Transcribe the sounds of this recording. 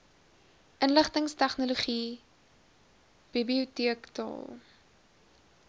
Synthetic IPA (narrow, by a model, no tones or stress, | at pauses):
ʔənləχtəŋstæχnoluχi | b̥ibliutiəktɑ̰ːlˠ